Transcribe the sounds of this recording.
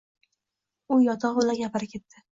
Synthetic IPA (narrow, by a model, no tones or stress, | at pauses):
ʊjɒt̪ʰɒʁʊlaɾɡʲapɪɾɪkʲʰe̞t̪ʰːɪ